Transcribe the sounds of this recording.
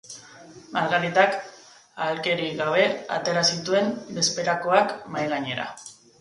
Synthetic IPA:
maɾɣaɾit̪ak | alke̞ɾiɣaβe̞a̰t̪e̞ɾasit̪ue̞nbe̞spe̞ɾako̞akmajɣaɲe̞ɾa̰

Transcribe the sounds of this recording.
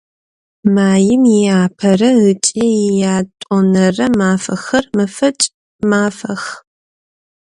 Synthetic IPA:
maːjɪmjɪjaːpʰɐrɐɣɨt͡ʃʼejɪjaːtʼɔnɐrɐmaːfɐxɐrmɐfɐt͡ʃʼ | maːfɐx

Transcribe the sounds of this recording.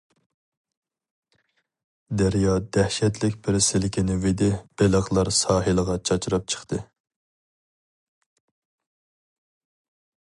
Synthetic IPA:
d̪æɾjɑd̪̥ɛhʃɛt̪lɪkʲbɪɾsɪlɪkʲinɪved̪ɪb̥eləʁlˠɑɾsɑːɦɨlˠəʁɑt͡ʃʰɑt͡ʃʰɾɑp̚t͡ʃʰə̥χt̪ʰɨ

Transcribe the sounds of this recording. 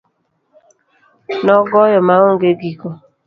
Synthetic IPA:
nɔɡɔjɔmaŋoŋɡeɡiko

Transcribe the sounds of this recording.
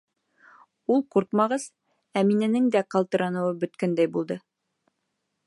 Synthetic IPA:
ulˠquɾqmɑʁɤz | æminɘ̆nɘŋd̪æqɑlˠt̪ɤ̆ɾɑnɤ̆wɤbɵ̆t̪kænd̪æjbulˠd̪ɤ

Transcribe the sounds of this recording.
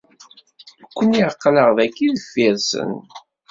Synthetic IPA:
əkʷːəniqːləʁðækːiðəfːiɾsə̰n

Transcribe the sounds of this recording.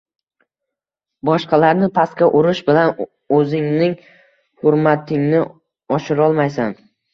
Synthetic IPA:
bɒʃqɑlaɾnɪpʰaskʲaʔʊɾɪʃbɪlan | ɵzɪŋnɪŋ | hʊɾmat̪ʰɪŋnɪ | ɒʃɪɾɒlˠmajsan

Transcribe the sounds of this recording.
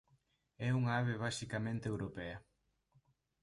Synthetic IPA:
ɛuŋɐaβeβasikamẽnt̪ewɾopɛɐ

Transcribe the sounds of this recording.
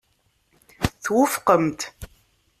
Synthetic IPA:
θwʊfqəmt̪

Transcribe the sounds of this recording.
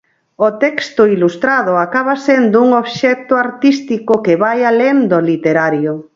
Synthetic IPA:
ot̪ɛkst̪ʊilust̪ɾaðʊakaβasend̪ʊuŋoβʃɛt̪ʊaɾt̪ist̪ikʊkeβajalend̪olit̪eɾaɾjo

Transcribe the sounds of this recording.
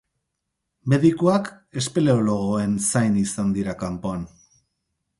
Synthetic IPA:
me̞ðikuak | e̞spele̞olo̞ɣo̞e̞nsajnisand̪iɾakampo̞an

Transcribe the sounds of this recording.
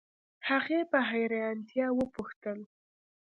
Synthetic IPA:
haɣepəɦajɾaant̪jɑwəpuxt̪əl

